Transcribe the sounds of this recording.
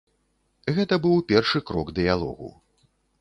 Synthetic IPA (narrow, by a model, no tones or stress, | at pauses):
ɣɛt̪ɐbɨwpʲɛrʂɨkɾɔɡd̪ɨjalˠɔ̰ɣṵ